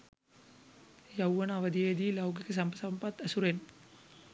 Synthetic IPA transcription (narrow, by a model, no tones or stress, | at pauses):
jɐwːɐnaːʋɐd̪ijeːd̪iːlɐwɡɐkɐsɐmbɐsɐmpɐt̪ɐsuɾen